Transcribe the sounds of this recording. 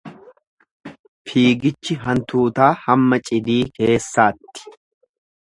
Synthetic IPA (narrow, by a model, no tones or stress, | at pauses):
fiːɡɪt͡ʃːɪɦɐnt̪uːt̪aːhɐmːɐt͡ʃʼɪd̪iːke̞ːsːaːt̪ːɪ̥